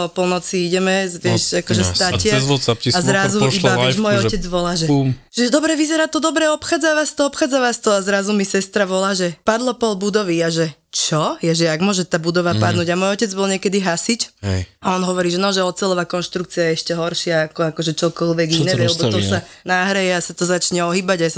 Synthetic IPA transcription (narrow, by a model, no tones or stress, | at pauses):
ɔpɔlnɔt͡siiɟɛmɛzʋɪɛʃakɔʒɛst̪acɪazɔt͡sapciazɾazuibaɛmɔjɔcɛd͡zʋɔlaːʒɛʒɛd̪ɔbɾɛʋizɛɾaːt̪ɔd̪ɔbɾɛɔpxaːd͡zaʋast̪ɔɔpxaːd͡zaʋast̪ɔazɾazumisɛst̪ɾaʋɔlaːʒɛpad̪lɔpɔlbud̪ɔʋiaʒɛt͡ʃɔjaʒɛaɡmʊɔʒɛt̪aːbud̪ɔʋapad̪nuːɟamɔjɔcɛd͡zbɔlɲɪɛkɛd̪iɦasicaɔnɦɔʋɔɾiːʒɛnɔʒɛɔt̪̚t͡sɛlɔʋakɔnʃt̪ɾuk̚t͡siajɛɛʃcɛɦɔɾʃɪaːkɔakɔʒɛt͡ʃɔkɔlʋɛɡinɛʋɛlɛbɔt̪ɔsanaɦɾɛjɛasat̪ɔzat͡ʃɲɛɔɦiːbaɟajas